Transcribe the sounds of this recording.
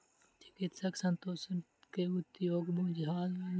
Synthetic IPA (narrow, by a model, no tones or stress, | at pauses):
t͡ʃɪ̥kɪt̪sɐksɐnt̪oːsn | keut̪joːɡbud͡ʒɦaːlɐ